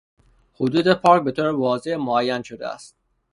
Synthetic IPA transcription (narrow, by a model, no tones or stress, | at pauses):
hod̪uːd̪epʰɒːɾcbe̞t̪ʰoːɾevɒːzemoæjːænʃod̪ḛæ̰st̪̚